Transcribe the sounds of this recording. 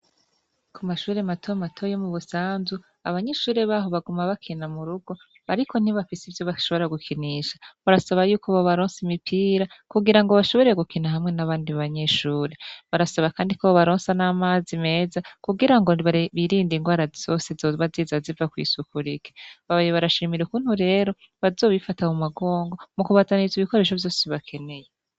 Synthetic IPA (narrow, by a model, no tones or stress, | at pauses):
kʰumaʃuːɾematʰomatʰojomuβusaːnzu | aβaɲe̞ʃuːɾeβaːɦo̞βaɡumaβakʰinamuɾuɡo̞ | βaɾikʰo̞n̥iβafisivjo̞βaʃo̞βo̞ɾaɡukʰiniʃḁβaɾasaβajuːkoβoβaɾoːnsimipʰiːɾakuɡiɾaŋɡo̞βaʃo̞βo̞ɾejeɡukinaɦamŋe̞naβaːndiββaɲe̞ʃuːɾe̞βaɾasaβakaːndikoβaβaɾoːnsanaːmaːzime̞ːzakuɡiɾaŋɡo̞βaβiɾiːndiŋɡwaːɾaz̥o̞ːsezoβaziːzazivakwḭːsukuɾike̥βaβjeβaɾaʃiːmiɾukuːn̥huɾe̞ːɾo̞ | βazo̞ːβifatamumaɡo̞ːŋɡo̞mukuβazaniziβiko̞ɾe̞ːʃovjo̞ːseβakʰe̞ne̞je